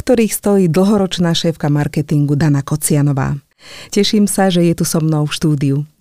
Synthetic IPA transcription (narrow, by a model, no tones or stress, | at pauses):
kt̪ɔɾiːxst̪ɔjiːd̪l̩ɦɔɾɔt͡ʃnaːʃɛːfkamaɾkɛt̪iŋɡud̪anakɔt͡sɪanɔʋa̰ː | cɛʃiːmsaʒɛjɛt̪usɔmnɔʊfʃt̪uːd̪iu